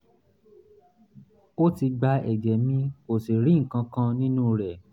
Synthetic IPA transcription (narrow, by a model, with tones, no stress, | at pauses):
o˦ti˧ɡ͡ba˧˦ɛ˨d͡ʒɛ˨mĩ˦ko˨si˨ɾĩ˨˦ŋ̩˨kã˧kã˧nĩ˦nũ˦ɾɛ˨